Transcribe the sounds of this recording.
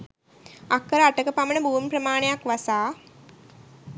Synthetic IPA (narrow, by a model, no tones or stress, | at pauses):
akːəɾəaʈəkəpamənəbuːmprəmaːnejakʋasaː